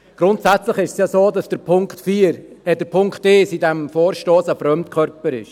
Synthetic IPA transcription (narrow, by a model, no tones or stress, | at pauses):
ɡ̥ɾʊntsɛt͡slɪχɪʃsjɑsoːdɑsd̥əɾpʰʊŋktfiːəɾɛd̥əɾpʰʊŋkteːsidɛmfoːɾʃtoːsəfɾœmtkʰœɾpəɾɪ̰ʃ